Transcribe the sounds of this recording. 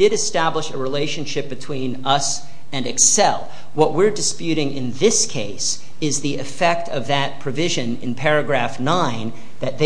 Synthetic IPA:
dɨɾɨstæbləʃɨɹileɪʃɨ̃n̩ʃɪp̚b̥ɨtʰw̥ĩnʌs | ɨ̃nɨksɛ̰lˠ | wʌʔ̚wɪɹdɨspjʉɾɪ̃ŋɪ̃nðɪskʰeɪs | ɪzðiɨfɛk̚tʰʌvðɨt̚pʰɹ̥ɨvɪʒɨ̃nɨ̰̃npʰɛɹɨɡɹæfnãɪ̃n | ðɨt̪̚ðe

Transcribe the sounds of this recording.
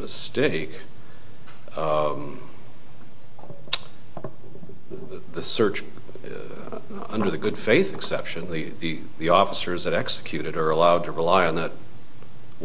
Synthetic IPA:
mɨsteɪk | ðɨsɜ˞t͡ʃ | ʌ̰̃ndə˞ðɨɡʊd̥feɪθɨksɛpʃɨ̃nðɨði | ðiɔfəsə˞zðɨɾɛksɨ̥kʰj̥ʉɾɨɾə˞əlaʊd̚tʰɨɹəlaɪɨ̃nðɨt̚ | w

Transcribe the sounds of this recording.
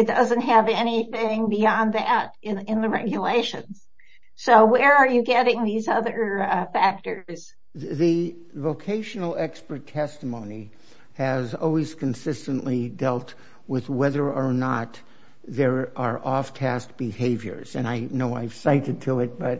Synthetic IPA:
ɨt̚d̥ʌzɨ̃nt̚ɦɨvɛñiθɪ̃ŋbiɑ̃nðæɾ | ɪ̃ɪ̃nðɨɹɛ̰ɡjɨleɪʃɨ̰̃nz̥ | soʊwə˞ə˞jɨɡɛɾɪ̃ŋðizʌðə˞fæk̚tə˞z̥ | ðɨ | voʊkʰeɪʃn̩l̩ˠɛkspə˞tʰɛstəmõʊ̃ni | ɨzɔ̰lˠwiz̥kʰɨ̃n̩sɪstɨ̃n̩ʔlidɛlˠt̚ | wɪðwɛðə˞ə˞nət̪̚ | ðə˞ə˞ʔɔftʰæst̚b̥ɨheɪvjə̰˞z̥ɨ̰̃naɪnoʊa̰ɪv̥saɪɾɨd̚tʰəɪt̚b̥ʌt̚

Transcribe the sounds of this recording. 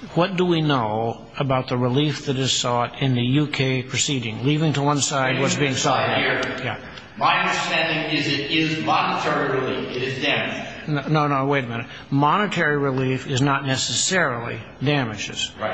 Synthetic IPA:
wʌt̚d̥əwinoʊ | əbaʊt̪̚ðəɹəlifðɨɾɨz̥sɔɾɪ̃nðɨjʉkʰeɪpʰɹ̥ɨsiɾɪ̃ŋlivɪ̃ŋtʰəwʌ̃nsaɪd̚wʌtsb̥iɪ̃ŋsɔɹjæ | maɪʌ̃ndə̥stæ̃ndɪ̃ŋɪzɪɾɪzmɑnətʰɛɹiɹɨlifɪɾɨzdæmɨd͡ʒnonoʊnoʊweɪɾmɪ̃nɨt | mɑnɨtʰɛɹiɹilifɨznətⁿnɛsɨsɛɹl̩ˠḭ | dæmɨd͡ʒɨ̰s

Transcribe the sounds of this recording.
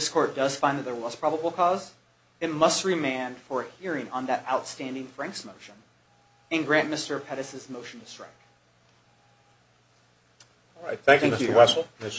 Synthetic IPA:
ðɪskʰɔɹt̚d̥ʌz̥fãɪ̃nðɨt̪̚ðə˞wʌz̥pʰɹ̥ɑbəbl̩ˠkʰɔz | ɨt̚mʌst̚ɹɨmẽɪ̃n̥fə˞ɨhiɹɪ̃ŋə̃nðɨɾaʊtstæ̃ndɪ̃ŋfɹæ̃ŋksmoʊʃɨ̃n | ɨ̃nɡɹæ̃nmɪstə˞pʰɛɾɨsɨzmoʊʃn̩tɨstɹ̥a̰ɪk̚ | ɔlˠɹaɪt̪̚θæ̃ŋkæ̃mɪskjəwɛsl̩ˠɪ

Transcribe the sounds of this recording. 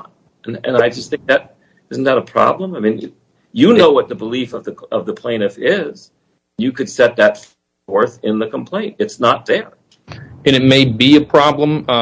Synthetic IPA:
nɨ̰̃naɪd͡ʒʌst̪̚θɪ̃ŋk̚ðɨɾ̚ | ɪzn̩ðəɾəpʰɹ̥ɑ̰blə̃maɪmĩn̰ | jɨnoʊwʌt̪̚ðəbəlifʌvðɨʌvðəpʰl̥ẽɪ̃nɨfɪz̥ | n̩jɨkʰɨd̥sɛt̪̚ðɨtf | ə˞θɪ̃nðɨkʰə̃m̩pʰl̥ẽɪ̃ntɨtsnət̪̚ðə˞ | ɨ̃ñɨt̚meɪbiɨpʰɹ̥ɑblə̃m

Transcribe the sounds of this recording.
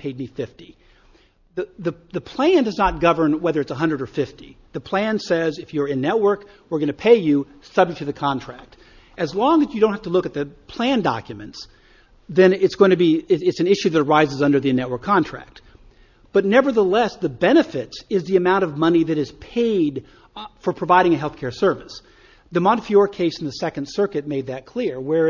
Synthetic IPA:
pʰeɪdⁿnifɪfti | ðɨðɨðɨpʰl̥æ̃ndʌznət̚ɡ̥ʌvə̃˞nwɛðə˞ɨtsəɦʌ̃ndɹəɾə˞fɪftḭ | ðɨpʰl̥æ̃nsɛzɨfjə˞ɪ̃nːɛt̚wɜ˞k | wəɹɡʌñɨpʰeɪjɨ | sʌb̚d͡ʒɨk̚tʰɨðɨkʰɑ̃ntʰɹ̥æ̰k̚t̚ | ɨzlɔ̃ŋɨzjɨdõt̚hæftəlʊkɨt̪̚ðɨpʰl̥æ̃ndɑ̰kjɨmɨ̃nts | ðɨ̃nɪtsɡ̥oʊɪ̃ŋtʰɨbiɪɪtsn̩ɪʃʉðɨɾə˞aɪzɨzʌ̃ndə˞ðɨnɛʔ̚wə˞kʰːɑ̃ntʰɹ̥æ̰k̚t̪̚ | b̥ʌtⁿnɛvə˞ðəlɛsðɨbɛñɨfɪtsɨzðiɨmãʊ̃ɾ̃ʌvmʌniðɨɾɨz̥pʰeɪd | fə˞pʰɹ̥ɨvaɪɾɪ̃ŋɨɦɛlˠθkʰɛɹsɜ˞vɨs | ðɨmɑɾɨfjɔɹkʰeɪsn̩ðɨsɛkɨ̃nd̥sɜ˞kɨt̚meɪd̪̚ðɨt̚kʰl̥ɪɹwə˞

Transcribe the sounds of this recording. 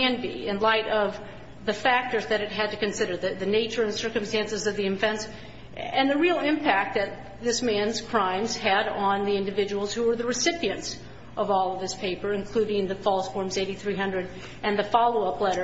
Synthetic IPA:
ɨ̃nbḭɪ̃nlaɪɾʌv | ðɨfæk̚tə˞zðɨɾɨt̚ɦɨd̚tɨkɨ̃nsɪɾə˞ðɨðɨneɪt͡ʃə˞ɨ̃nsɜ˞kɨ̃m̩stæ̃nsɨzʌvðiɨ̃ɱfɛ̃ns | ɨ̃nðɨɹilˠɪ̃mpʰæk̚t̪̚ðɨt̪̚ | ðɪsmæ̃nz̥kʰɹ̥ãɪ̃mz̥ɨɾn̩ðiɪ̃ndɨvɪd͡ʒəwl̩ˠz̥huwə˞ðɨɹɨsɪpiɨ̃nts | ʔʌvɔlˠʌv̥ðɪspʰeɪpə˞ɨ̃nkʰl̥ʉɾɪ̃ŋðɨfɔlˠsfɔɹmzeɪɾiθɹiɦʌ̃ndɹɨɾ | ɨ̃nðɨfɑlˠoʊʌplɛɾə˞

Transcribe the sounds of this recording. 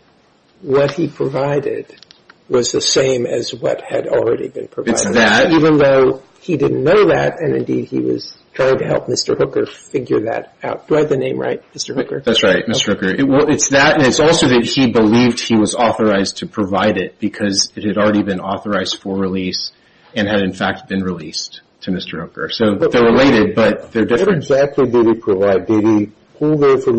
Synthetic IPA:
wʌt̚hipʰɹ̥əvaɪɾɪ̰d̚wʌzðɨsẽɪ̃mɨzwʌ̰t̚hɨɾl̩ˠɹɛɾḭbɨ̰̃npʰɹ̥ɨvɨɪsðɨt̚ivɨ̃nðoʊ | idɪdⁿn̩nːoʊðæ̰ɾɨ̃nɨ̰̃ndḭd̚ḭwʌ̰z̥tʰɹ̥aɪɪ̃ŋtʰɨhɛ̰lˠp̚mɪstə˞hʊkə˞fɪɡjə̰˞ðɨ̰ɾaʊt̚d̥ɨaɪvðɨnẽɪ̃mɹa̰ɪt̚mɪstə˞hkə̰˞ðætsɹaɪt̚mɪstə˞hʊkə˞ɪt̚wɛlˠɪtsðɨɾɨ̃nɨtsɔlˠsoʊðɨt̚hibəlivd̥̚iwʌzɔθə˞aɪztʰɨpʰɹ̥ɨvaɪɾɪt̚b̥ɨkʰʌzɨt̚hɨɾl̩ˠɹɛɾibɨ̃nɔθə˞aɪzd̥fə˞ɹilis | ɨ̃nɨɾɨ̃nfæk̚t̚b̥ɨ̃nɹilist | tʰɨmɪstə˞hʊkə˞soʊðəɹɪleɪɾɪd̚bʌt̪̚ðə˞dɪfɹɨ̃zæk̚tʰˡlidɪɾipʰɹ̥əvaɪd̚deɾi | pʰʊlˠðə˞fə˞

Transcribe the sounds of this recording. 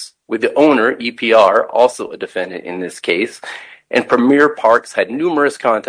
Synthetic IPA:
wɨðiʔõʊ̃nə˞ʔipʰiɑɹɔ̰lˠsoʊədɨfɛ̃ndɨ̰̃ɾɨ̰̃nðɪskʰeɪsʔɨ̰̃npʰɹ̥ɨmɪɹpʰɑɹkshɨdⁿnʉmə˞ɨskʰɑ̃ntʰ

